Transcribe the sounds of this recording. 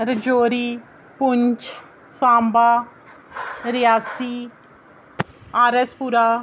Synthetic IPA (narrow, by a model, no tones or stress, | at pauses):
ɾəd͡ʒoːɾiː | pʊɲt͡ʃ | sãːmbaː | ɾɪjaːsiː | aːɾespuɾaː